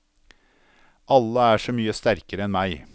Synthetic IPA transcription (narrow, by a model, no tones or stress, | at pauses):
ʔɑlːəæːʂɔːmyːəst̪æɾkəɾəɛnmæɪ